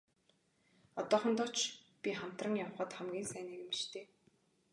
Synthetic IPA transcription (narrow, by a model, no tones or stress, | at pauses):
ɔt̪ɔːχə̆nt̪ɔt͡ɕpʲiχam̥t̪rə̆ŋjawχəːt̪χæmɡʲiːnsæːniːkemi̥ʃt̪ʰeː